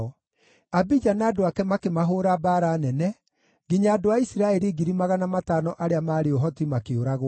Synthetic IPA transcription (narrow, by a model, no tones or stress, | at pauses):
abid͡ʒanaːdoakɛmakemaɦoːɾabaːɾanɛnɛ | ɡiɲaːdoaisiɾaɛɾiɡiɾimaɣanamataːnɔʔaɾeamaːɾeoɦɔtimakeoɾaɣ